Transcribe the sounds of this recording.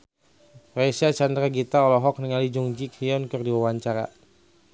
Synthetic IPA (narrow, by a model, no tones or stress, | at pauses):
resiat͡ʃandɾaɡit̪aɔlɔɦɔk̚niŋalid͡ʒuŋd͡ʒikhiɔnkɨrdiwawaɲt͡ʃaɾa̰